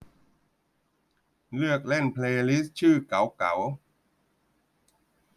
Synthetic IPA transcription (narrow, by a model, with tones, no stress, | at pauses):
lɯ˥˩ək̚le˥˩npʰleː˧li˦˥s̚t͡ɕʰɯː˥˩ka˩˦wka̰˩˦w